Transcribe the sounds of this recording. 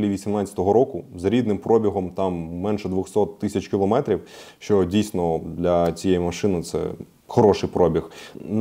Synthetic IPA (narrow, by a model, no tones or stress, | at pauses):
lʲiʋʲisʲimnɑt͡sʲɐ̥t̪ɔɦɔɾɔkʊzɾʲid̪nɪmpɾɔbʲiɦɔmt̪ɑmːɛnʃɛd̪ʋʊxsɔt̪ːɪsʲɐt͡ʃkʲilˠɔmɛt̪ɾʲiw | ʃt͡ʃɔdʲijsnɔd̪lʲɐt͡sʲijɛjimɐʃɪnɪt̪sɛ̰ | xɔɾɔʃɪjpɾɔbʲixn